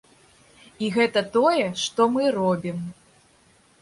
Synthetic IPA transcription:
iɣɛt̪ɐt̪ɔjɛʂt̪ɔmɨrɔbʲim

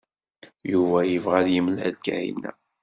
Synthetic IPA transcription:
juvæjəvʁæðjəmlælkæ̰ḭnːæ̰

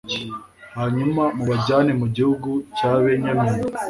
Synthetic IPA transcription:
haɲumamuβad͡ʒanimud͡ʒihuɡut͡ʃaβɛɲamini

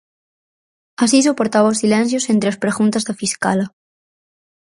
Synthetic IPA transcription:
asisopoɾt̪aβaosilen̟θ̬josent̪ɾeospɾeɣunt̪azðafiska̰la

